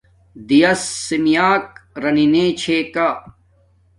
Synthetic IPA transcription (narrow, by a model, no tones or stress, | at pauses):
d̪ijɐsːimijaːk̚ɾɐnineːt͡ɕʰeːkaː